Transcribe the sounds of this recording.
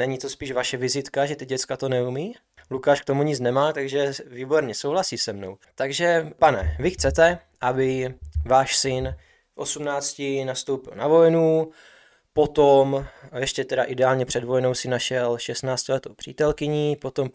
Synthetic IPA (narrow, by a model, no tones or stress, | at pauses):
nɛɲit̪o̞spiːʃvaʃɛvɪzɪt̪kaʒɛt̪ɪɟɛt͡skat̪o̞nɛumiː | lukaːʃk̚t̪o̞muɲɪt͡snɛmaːt̪aɡʒɛviːbo̞ɾɲɛsowɦlasiːsɛmno̞wt̪aɡʒɛpanɛ̰vɪxt͡sɛt̪ɛ | ʔabɪvaːʃsɪn | fʔo̞sumnaːt͡scɪnast̪owpɪlnavo̞jnu | po̞t̪omjɛʃcɛt̪ɛɾaʔɪdɛaːlɲɛpr̥ɛdvo̞jno̞wsɪnaʃɛlʃɛst̪naːt͡scɪlɛt̪owpr̝̥ḭːt̪ɛlkɪɲipo̞t̪o̞m